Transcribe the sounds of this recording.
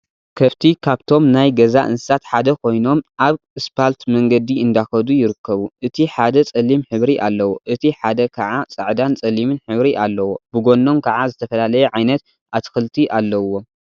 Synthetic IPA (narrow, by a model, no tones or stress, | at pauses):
kʰɐβt̪ʰikʰaβt̪ʰo̞mnajɡɐzaʔɨnsɨ̥sat̪ħad̪ɐkʰo̞jno̞mʔaβ | ɨspʰalt̪mɐŋɡɐd̪iɨnd̪axɐd̪ujɪɾɨkːɐβuʔɨt̪ʰiħad̪ɐt͡sʼɐlimħɨβɾiʔalːɐwoʔɨt̪ʰiħad̪ɐkʰɐʕat͡sʼɨʕd̪ant͡sʼɐlimɨnħɨβɾiʔalːɐwo̞b̥ɨɡo̞nːo̞mkʰɐʕazɨt̪ʰɐfɐlalɐjɛʕajnɐt̪ | ʔat̪ʰɨ̥xɨlt̪ʰiʔalːɐwːo̞